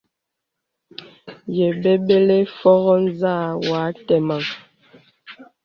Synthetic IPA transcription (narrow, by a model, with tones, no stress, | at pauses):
je˨be˦be˦le˦fɔ˦ɣɔ˦n˦za˦˨wa˨˦tɛ˨ma˨ŋ